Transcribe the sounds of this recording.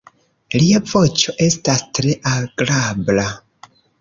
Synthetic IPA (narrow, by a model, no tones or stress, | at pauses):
liavo̞t͡ʃo̞ʔe̞stastɾe̞ʔaɡ̥ɾabla